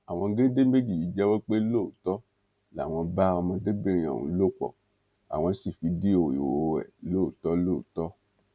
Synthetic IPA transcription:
a˨w̃ɔ̃˧˦ɡe˦de˦me˦d͡ʒi˦˨i˨˦d͡ʒɛ˦we˦k͡pe˦lo˦˨tɔ˦ | la̰˨˦˨w̃ɔ̃˧ba˦ɔ˧mã˧de˦bi˦ɾ̃ĩ˧˦a̰˨wṵ̃˨˧˦lo˦˨k͡pɔ̰˨ | a̰˨w̃ɔ̃˧˦si˨fi˨˦di˦o˨jḭ˨woo˨˧ɛ̰˨lo˦˨tɔ˦lo˦˨tɔ˦

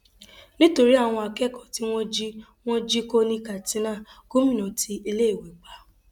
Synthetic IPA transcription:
nĩ˦to˧ɾi˦a˦˨w̃ɔ̃˧a˧kɛ˦˨kɔ˨ti˦w̃ɔ̃˦d͡ʒi˦ | w̃ɔ̃˦d͡ʒi˦ko˦nĩ˦ka˨tĩ˨˦nãː˦˨ko˦mĩ˦nɔ̃˨ti˧˦i˧le˦e˦˨we˨k͡pa˨˦

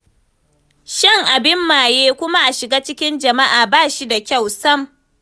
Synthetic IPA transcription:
ʃɪ˦ŋʔa˨bɪ˦mːaː˨jeː˦kʷʊ˦ma˦ʔa˨ʃɪ˨ɡaː˦t͡ʃɪ˦kʲɪ˦nd͡ʒɐ˨ma˦ʔaː˨baː˦˨ʃi˦da˨kʲa˦˨wsɐ˦m

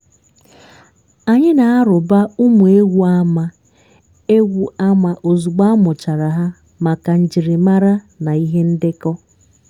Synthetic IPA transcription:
a˨ɲɪ˦na˨a˦ɾʊ˨ba˦u˦mu˨e˦ɡʷu˦a˦ma˨ | e˦ɡʷu˨a˦ma˨ʔo˨zu˨ɡ͡ba˦mʊ˨t͡ʃa˨ɾa˨ɦa˦ | ma˨ka˨n̩˨d͡ʒi˨ɾɪ˨ma˦ɾa˦ | na˨i˦ɦe˦n̩˦dɪ˦kɔ˦

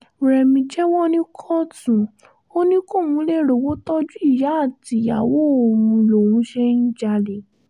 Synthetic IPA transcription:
ɾɛ˨mĩ˧d͡ʒɛ˦wɔ˦nĩ˦kʰɔ˦tũ˨ | o˦nĩ˦ko˦˨wũ˧˦le˦˨ɾo˨wo˦tɔ˦d͡ʒu˦i˦˨ja˨˦a˦˨ti˨˧˦ja˨wo˦o˨ɾũ˧lo˨wũ˨˦ʃe˦ñ̩˦d͡ʒa˧le˨

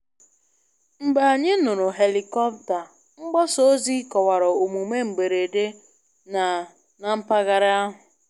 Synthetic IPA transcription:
ŋ͡m̩˨ɡ͡ba˨ɲɪ˦nʊ˨ɾʊ˨ɦe˨li˨kɔ˦pta˨ | ŋ͡m̩˦ɡ͡bɔ˦so˦o˦zi˦kɔ˨wa˨ɾɔ˨o˨mu˨me˦ŋ͡m̩˨ɡ͡be˨ɾe˨de˦ | na˨ | na˨m̩˦pa˦ɣa˨ɾɪ˦a˦ɦʊ˨

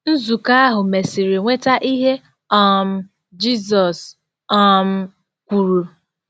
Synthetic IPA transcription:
n̩˦zu˨ka˦a˦ɦʊ˨me˨si˨ɾi˨ŋʷe˦ta˦ʔi˦ɦe˦ | ɔ˦˨m̩˦ | d͡ʒi˦zɔ˨s | ɔ˦m̩˦ | kʷu˨ɾu˨

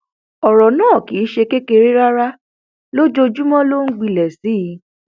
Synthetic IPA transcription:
ɔ˨ɾɔ˨nãː˦˨ki˨˦ʃe˧ke˦ke˧ɾi˦ɾa˦ɾa˦ | lo˦d͡ʒo˧d͡ʒu˦mɔ̃˦lo˦ŋ̩˦ɡ͡bi˧lɛ˨si˨˦˨

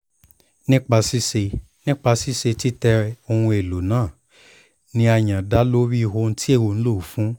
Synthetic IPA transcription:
nĩ˦k͡pa˧si˦se˧ | nĩ˦k͡pa˧si˦se˧ti˦tɛ˧o˧hũ˧e˨lo˨nãː˦˨ | nĩ˦a˧j̃ã˨da˦lo˦ɾi˦˧˨ho˧˦n̩˦ti˦e˦˨wo˧ñ̩˦lo˦˨fũ˦

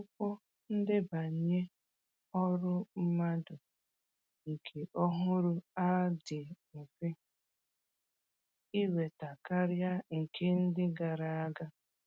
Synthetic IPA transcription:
ʊ˦kɔ˦ | n̩˦dɪ˦ba˨ɲ˨ɲe˦ | ɔ˦ɾʊ˦m̩˦ma˦dʊ˨ | ŋ̩˨kʰe˨ʔɔ˦ɦʊ˦ɾʊ˦a˦dɪ˨ | fɪ˦ | i˦we˨ta˨ka˦ɾja˦ŋ̩˨kʰe˦n̩˦dɪ˦ɡa˨ɾa˨a˦ɡa˦

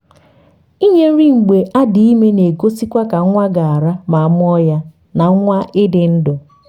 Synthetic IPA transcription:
i˦ɲe˦n̩˦ɾi˦ŋ͡m̩˨ɡ͡be˨ʔa˦dɪ˨i˦me˦ne˨ɡo˦si˦kʷa˦ka˨˦ŋʷa˦ɡa˨a˨ɾa˦ma˨a˨m˦ɔ˦ja˦ | na˨˦ŋʷa˦ʔɪ˦dɪ˨n̩˦dʊ˨

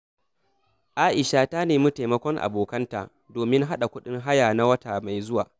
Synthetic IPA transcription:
ʔaː˦ʔɪ˨ʃaː˦˨taː˦neː˨mʊ˦ta˨mɐ˦kʷɔ˦ŋʔa̰˨boː˨kɐ˦nta̰ː˨ | doː˨mɪ˦ŋɦa˦ɗa˨kʷʊ˦ɗɪ˦ŋɦa˦jaː˨na˦wɐ˦taː˨ma˨jzʊ˦waː˨

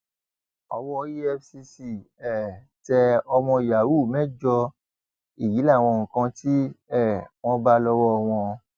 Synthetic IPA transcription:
ɔ˧wɔ˦˧ji˦ɛ˦fsi˧si˦˨ | ɛ˨ | tɛ˧ɔ˧mɔ̃˧i˨ja˨wu˦˨mɛ̃˦d͡ʒɔ˧ | i˦˨ji˨˦la˦˨w̃ɔ̃˧˨kã˧ti˦ɛ˦˨w̃ɔ̃˧ba˦lɔ˧wɔ˦ɔ˧w̃ɔ̃˧

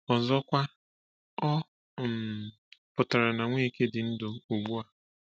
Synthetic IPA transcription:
ɔ˨zɔ˦kʷa˦ | ɔ˦ | m | pʊ˨ta˨ɾa˨na˨ŋʷe˦i˨ke˦dɪ˨n̩˦dʊ˨u˨ɡ͡bu˦a˦

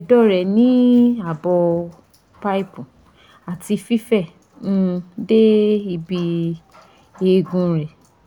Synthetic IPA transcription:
dɔ˦˨ɾɛ˨nĩ˨˦a˦˨bɔ˧ | pa˦i˦pũ˨ | a˨ti˧fi˦fɛ˦˨ | nũ˦de˦i˧bi˧ | e˧ɡũ˧ɾɛ˨

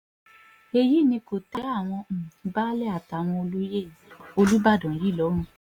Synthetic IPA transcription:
e˧ji˦˨nĩ˧ko˨tɛ˨˦a˦˨w̃ɔ̃˧˨˦ba˦lɛ˦a˨ta˨w̃ɔ̃˧o˧lo˦je˦˨o˧lu˦ba˦˨dɔ̃˨ji˨˦˨lɔ˨˦ɾ̃ũ˦˧˦

